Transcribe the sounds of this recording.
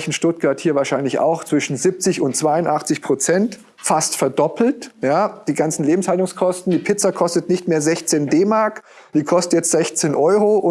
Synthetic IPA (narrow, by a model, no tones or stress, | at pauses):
çn̩ʃtʊt̚ɡ̥aɐthiːɐvaːʃaɪnlɪça̰ʊxt͡sv̥ɪʃn̩zɪp̚t͡sɪçʊntt͡sv̥aɪʊntʔaχt͡sɪçpʁ̥ot͡sɛnt | fastfɛɐdɔpl̩tjaːd̥iːɡant͡sn̩leːbm̩shaltʊŋskʰɔstn̩diːpʰɪt͡sakʰɔstətnɪçtmeːɐzɛçt͡seːndeːmaɐk | d̥iːkʰɔstətjɛt͡stz̥ɛçt͡seːnʔɔʏʁoʔʊ